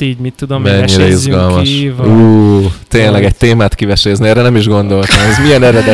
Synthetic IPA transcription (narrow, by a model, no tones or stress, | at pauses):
mit̪ːud̪mɛɲːiɾɛizɡɒlmɒʃuːt̪eːnlɛɡɛc̚t̪eːmaːt̪kivɛʃeːzniɛːɾɛnɛmiʒɡo̞n̪d̪o̞lt̪amɛzmijɛnɛɾɛd̪ɛ